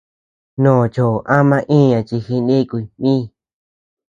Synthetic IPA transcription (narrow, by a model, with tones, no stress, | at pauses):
nõː˨t͡ʃo˨ʔa˦mã˧ʔĩ˦˨ɲã˨t͡ʃi˧xi˧nĩ˦˧ku˧i˨mĩː˦˨